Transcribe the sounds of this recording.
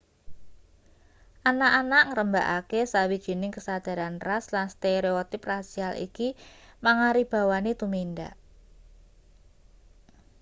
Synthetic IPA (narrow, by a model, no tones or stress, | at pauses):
ʔanaʔanaʔŋəɾəmbaʔakesawid̥ʒ̥i̤nɪŋkəsad̪̥a̤ɾanraslanst̪eɾeot̪ɪprasialḭkimaŋaɾib̥a̤wanit̪uminda̰ʔ